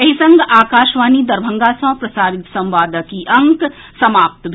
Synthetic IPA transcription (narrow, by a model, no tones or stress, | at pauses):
ɐɦisɐ̃ŋɡaːkaːʃʋaːnid̪ɐɾbʱɐ̃ŋɡasɐ̃pɾɐsaːɾɪt̪sɐ̃mʋaːd̪əkiʔɐ̃ŋk | sɐmaːp̚t̪bʱ